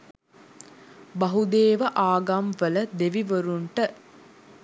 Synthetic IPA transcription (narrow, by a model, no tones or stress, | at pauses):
baɦud̪eːʋəʔaːɡamʋələd̪eʋiʋəɾuɳʈə